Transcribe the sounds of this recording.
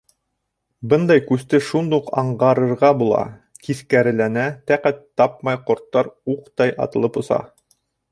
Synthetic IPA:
bɤnd̪ɑjkʉst̪ɘʃund̪uqɑ̰ɴʁɑɾɤ̆ɾʁɑbulˠɑ̰ | kiθkæɾɘ̆lænæt̪æqæt̪ːɑp̚mɑjqŏɾt̪ːɑɾuqt̪ɑjʔɑ̰t̪ɤ̆lˠɤpŏsɑ̰

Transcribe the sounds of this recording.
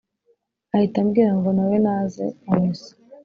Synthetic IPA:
ahitamɡiːɾaŋɡonawenaːzḛamusḁ

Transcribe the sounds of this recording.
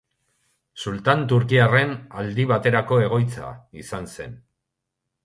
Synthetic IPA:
sult̪ant̪uɾkiare̞nald̪iβat̪e̞ɾako̞e̞ɣ̞o̞jt͡sa̰isanse̞n

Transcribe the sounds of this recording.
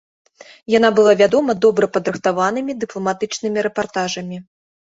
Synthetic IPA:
janabɨlˠavʲad̪ɔmɐd̪ɔbɾɐpɐd̪ɾɨxt̪avanɨmʲid̪ɨplˠɐmat̪ɨt͡ʂnɨmʲiɾɛpart̪aʐɐmʲi

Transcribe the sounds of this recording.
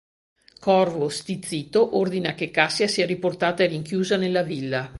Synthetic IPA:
kɔrvost̪it̪sːiːt̪oʔord̪inakekːasːjasiːaɾiport̪aːt̪aeriŋkjuːzanelːavilːa

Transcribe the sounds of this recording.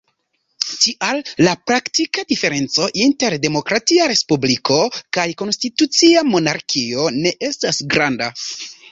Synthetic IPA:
tiʔalːapɾaktikadife̞ɾe̞nt͡so̞ʔinte̞ɾde̞mo̞kɾatiaɾe̞spublikʰo̞kajko̞nstitut͡siamo̞naɾkʰio̞ne̞ʔe̞stasɡɾanda

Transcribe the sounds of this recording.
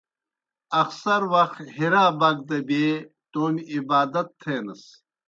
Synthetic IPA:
ɐxsɐɾwɐxt̪hiɾaːbaɡ̚d̪ɐbeː | t̪oːniibaːd̪ɐt̪ʰːeːnɐs

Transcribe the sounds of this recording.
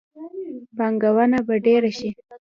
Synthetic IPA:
baŋɡawanabaɖeɾaʃi

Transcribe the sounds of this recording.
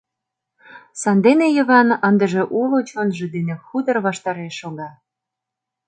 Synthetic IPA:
sɑnd̪enejə̆βɑnənd̪ə̆ʒĕʔulot͡ɕonʒĕd̪enexud̪ə̆rβɑʃt̪ɑɾeʃoɣɑ

